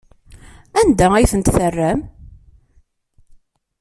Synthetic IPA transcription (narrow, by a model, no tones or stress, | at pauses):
ænd̪æijθənt̪θərːæm